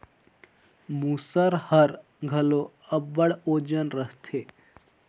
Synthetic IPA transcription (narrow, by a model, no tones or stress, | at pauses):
muːsəɾhəɾ | ɡʱəlo | əbːəɽoːd͡ʒənɾəɦt̪ʰe